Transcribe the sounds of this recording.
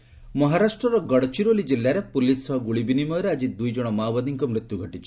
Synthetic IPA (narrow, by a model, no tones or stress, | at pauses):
mɔɦaɾasʈɾɔɾɔɡɔɽt͡ʃiɾolid͡ʒilːaɾepulisɔɦɔɡuɭibinimɔɾead͡ʒid̪ujd͡ʒɔɽ̃ɔmawbad̪iŋkɔmɾit̪juɡʱɔʈit͡ʃʰi